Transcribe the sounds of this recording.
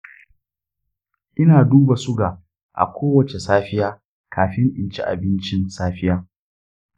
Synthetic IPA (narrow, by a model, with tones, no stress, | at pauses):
ʔɪ˦naː˨duː˦ba˨sʊ˦ɡa˨ | ʔa̰˨kʷoː˦wɐ˨t͡ʃe˨saː˦ɸɪ˦jaː˦ | kʰaː˨ɸɪ˦ŋʔɪ̰˨nt͡ʃi˦ʔa̰˨bɪ˦nt͡ʃɪ˦nsaː˦ɸɪ˦jaː˦